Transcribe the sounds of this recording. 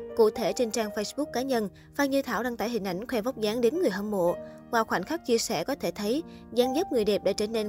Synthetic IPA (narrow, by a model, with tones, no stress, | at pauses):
kṵ˧˨t̪ʰe˧˩t͡ɕe˧nt͡ɕaː˧ŋfə˧jsɓʊ˦˥k̚ːaː˨˦ɲə˧n | faː˨˩ɲɨ˧t̪ʰaː˧˩wɗaː˧ŋt̪a̰ː˧˩jɦï˨˩ŋ̟ʔa˧˩jŋ̟kʰwɛ˧va˦˥k͡p̚zaː˨˦ŋɗe˨˦nŋɨ˨˩əjhəː˧mmo̰˧˨ | vwaː˧˩wxwaː˧˩n̟xa˦˥k̚t͡ɕi˧əsɛ̰˧˩kɔ˨˦t̪ʰe˧˩t̪ʰə˨˦j | zaː˨˦nzə˦˥p̚ŋɨ˨˩əjɗe˨˩p̚ɗa̰ː˧˥t͡ɕəː˧˩ne˧n